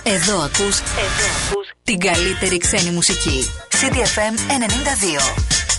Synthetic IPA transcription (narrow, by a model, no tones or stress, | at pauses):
e̞ðo̞ɐkuseu | t̪iɡɐlit̪e̞ɾikse̞nimusicisid̪iefeme̞ne̞nind̪ɐðio